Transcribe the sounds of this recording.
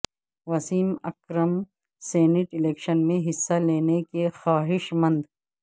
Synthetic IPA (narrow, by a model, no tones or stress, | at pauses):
ʋɐsiːmɐ̰kɾəm | seːnɪʈɪleːkʃənmẽɦɪsːaleːnekexaːɦɪʃmɐ̃nd̪